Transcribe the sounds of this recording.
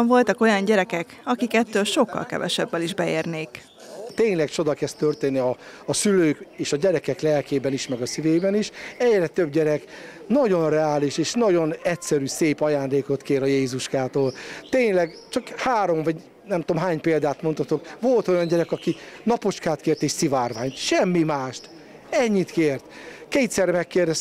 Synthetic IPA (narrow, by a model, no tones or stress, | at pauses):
ɱvo̞lt̪ɒko̞jɒɲɟɛɾɛkɛk | ɒkikɛt̪ːøːlʃo̞kːɒ̰lkɛ̰vɛ̰ʃɛbːɛliʒbɛeːrneːk | t̪eːɲlɛkt͡ʃo̞d̪ɒkɛst̪ørt̪eːnːiɒːsyløːkeːʃɒɟɛɾɛkɛklɛlkeːbɛniʃmɛɡɒsiveːbɛniʃɛɟrɛt̪øb̚ɟɛɾɛk | nɒɟo̞nrɛaːliʃeːʃnɒɟo̞nɛtʲsɛɾyːseːpɒjaːnd̪eːko̞t̪keːɾɒjeːzuʃkaːt̪oːlt̪eːɲlɛɡ | t͡ʃɒkhaːɾo̞mvɒɟ | nɛmt̪oːmɦaːɲpeːld̪aːt̪mo̞nt̪ɒt̪o̞kʋo̞lt̪o̞jɒɲɟɛɾɛkɒkinɒpo̞t͡ʃkaːt̪keːrt̪eːʃsivaːrvaːɲt̪ʃɛmːimaːʃt̪ | ɛɲːit̪keːrt̪keːt̪sɛrɛmɛkːɛrd̪ɛs